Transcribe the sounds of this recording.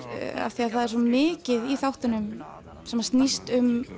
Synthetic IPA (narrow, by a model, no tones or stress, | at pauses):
a̰vθiaðθaðɛɾsɔmɪːcɪðiθawht̪anʏm | sɛmːast̪nist̪ʏm